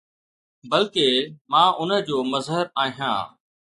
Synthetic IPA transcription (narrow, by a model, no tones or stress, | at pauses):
bɐlkemãːʔʊnə̆d͡ʑoːmɐzɦəɾaːɦijã̰ː